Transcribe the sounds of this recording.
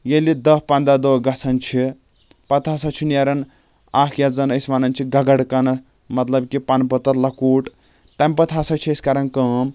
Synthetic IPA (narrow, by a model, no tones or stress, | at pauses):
jelid̪ɐɦpɐnd̪ad̪oɡɐsɐnt͡ʃʰi | pɐt̪ʰaːsɐt͡ʃʰinjaɾɐn | aːkʰjad͡zɐnɐsʋanɐnt͡ʃʰiɡɐɡɐɽkɐnɐ | mɐt̪lɐbkipanpɐt̪ɐɾlɐkuːʈ | t̪ɐmʲpɐt̪ʰasɐt͡ʃʰiɐskaɾɐnkɐːm